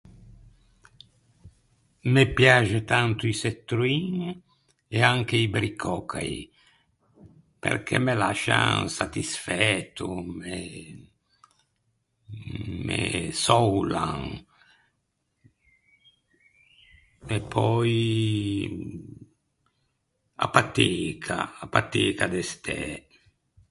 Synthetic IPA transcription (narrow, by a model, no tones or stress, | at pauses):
mepjaʒet̪ant̪uiset̪ːɾuiŋ | eaŋk̟eibɾikʰɔkʰa̰ji | pḛɾkʰḛmela̰ʃa̰ŋsat̪isfɛt̪ume | mesɔwlaŋ | epʰɔj | a̰pat̪ekʰa̰apat̪ekad̪est̪ʰɛ